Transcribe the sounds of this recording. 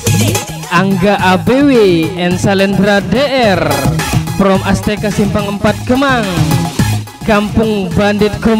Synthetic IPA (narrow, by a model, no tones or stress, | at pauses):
ʔaŋɡaʔabeweɛnsalɛnd̪ɾadeʔɛr | pɾɔmast̪ekasimpaŋəmpat̪̚ɡ̥əmaŋ | kampʊŋbandɪt̪̚ɡ̥əm